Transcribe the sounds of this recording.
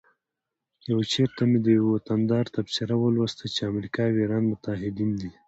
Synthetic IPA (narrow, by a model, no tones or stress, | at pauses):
jawt͡ʃeɾt̪amed̪əjawwat̪and̪ɑɾt̪absɪɾawəlwast̪at͡ʃeamɾikɑweɾɑnmʊt̪aɦɪd̪ind̪i